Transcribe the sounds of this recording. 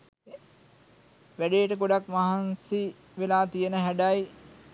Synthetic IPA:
ʋæɖejːʈəkoɖakmaɦansi | ʋelaːt̪ijənəɦæɖaj

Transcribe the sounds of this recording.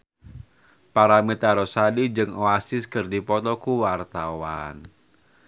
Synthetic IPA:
paɾamit̪aɾɔsadid͡ʒɨŋoasɪskɨrdipɔt̪ɔkuwart̪awa̰n

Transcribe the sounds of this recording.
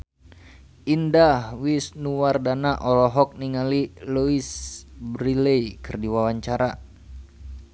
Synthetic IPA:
ʔindahwisnuwardanaʔɔlɔɦɔk̚niŋaliluisbɾilɛjkərdiwawaɲt͡ʃaɾa

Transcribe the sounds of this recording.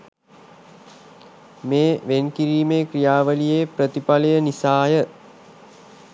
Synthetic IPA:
meːʋenkiɾiːmeːkɾijaːʋəlijeːpɾət̪ipalejənisaːjə

